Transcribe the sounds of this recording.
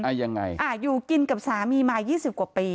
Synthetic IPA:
ʔa˧ja˧ŋːa̰˧jʔaː˧˩juː˨˩ki˧nka˨˩p̚saː˨˩˦miː˧maː˧jjiː˥˩si˨˩ku˨˩piː˧

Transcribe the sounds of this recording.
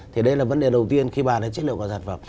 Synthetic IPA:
t̪ʰi˨˩ɗə˧jlaː˨˩və˧˥nɗe˨˩ɗə˨˩wt̪i˧ənxi˧ɓaː˨˩naː˨˦t͡ɕt̚lḭ˧˨kːzaː˨˩nfə˨˩m

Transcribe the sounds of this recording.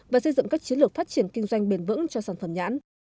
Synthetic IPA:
vaː˨˩sə˧jzɨ̰˧˨ŋ͡mkaː˦˥k̚t͡ɕi˨˦nlɨ˨˩ək̚faː˦˥t̚t͡ɕi˧˩ənkï˧ŋ̟zwa˧jŋ̟ɓe˨˩nvɨ̰˧˥ŋt͡ɕɔ˧saː˧˩nfə˧˩mɲa̰ː˧˥n

